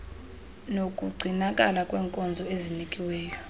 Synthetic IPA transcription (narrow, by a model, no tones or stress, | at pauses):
nokʼuɡ͡ǀʱinakʼa̰lakʼwɛːŋkʼɔnd͡zʱɔezinikʼiwɛːjɔ